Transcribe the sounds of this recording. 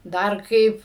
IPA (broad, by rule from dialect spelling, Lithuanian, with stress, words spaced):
ˈdɐr ˈkɐɪp